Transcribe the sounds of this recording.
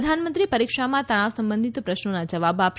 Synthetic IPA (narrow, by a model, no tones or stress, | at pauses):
d̪ʱanmə̃nt̪ɾipəɾikʃamãt̪əɽ̃aʋsəmbənd̪ʱit̪pɾəʃnonad͡ʒəʋabap